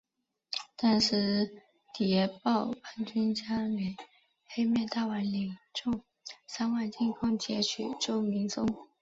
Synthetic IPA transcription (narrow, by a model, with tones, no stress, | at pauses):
t̪a˥˧nʂɻ̩˥˩ | t̪i˨˩jɛ˥˧pɑ˥˧ʊpʰa˥nt͡ɕy˥nt͡ɕja˥y˨˩˦ | xe˥ɪmjɛ˥˧t̪a˥˩wa˧˥nli˨˩ŋʈ͡ʂʊ˥˩ŋ | sa˥nwa˥˧ɪt͡ɕi˥˧nkʰɑ˥ŋt͡ɕjɛ˧˥t͡ɕʰy˨˩t͡ɕjo˥˩ʊmi˧˥ŋsʊ˥ŋ